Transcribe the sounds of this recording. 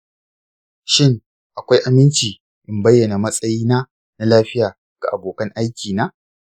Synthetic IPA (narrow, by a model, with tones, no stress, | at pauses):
ʃɪ˦ŋ | ʔa˨kʷa˦jʔa˨mɪ˦nt͡ʃiː˨ | ʔɪ˦mbɐ˦jːɐ˨na˨mɐ˦sʼɐ˦jiː˦naː˦ | na˦laː˦ɸɪ˦jaː˨ | ɡ̥a˨ʔa˨boː˨kɐ˦ŋʔa˦jkʲiː˨naː˦